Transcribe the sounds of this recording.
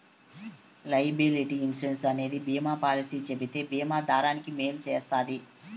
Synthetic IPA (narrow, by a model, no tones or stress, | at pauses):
lɐjbiliʈiinsɾensɐne̞ːd̪ibiːmaːpaːlisiːt͡ʃebit̪e̞ːbiːmaːd̪ʱaːɾaːnikime̞ːlut͡ʃeːst̪aːd̪i